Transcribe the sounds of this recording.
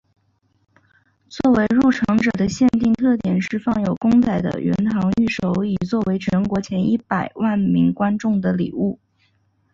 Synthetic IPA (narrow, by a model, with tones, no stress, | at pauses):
t͡swɔ˥˩we˧˥ɪɻu˥˩ʈ͡ʂʰɑ˧˥ŋʈ͡ʂɤ˨˩d̪ə˦ɕjɛ˥˧nt̪i˥˧ŋt̪ʰɤ˥˩t̪jɛ˨˩nʂɻ̩˥˧fɑ˥˩ŋjo˨˩ʊkʊ˥ŋt͡s̪a˥˩ɪd̪ə̰˦ɥɛ̰˧˥nt̪ʰɑ˧˥ŋy˥˩ʂo˧˥ʊi˨˩t͡swɔ˥˩we˧˥ɪt͡ɕʰɥɛ˧˥nkwɔ˧˥t͡ɕʰjɛ˧˥ni˥˩pa˨˩ɪwa˥˩nmi˧˥ŋkwa˥nʈ͡ʂʊ˥˩ŋd̪ə˩lḭ˨˩u˥˩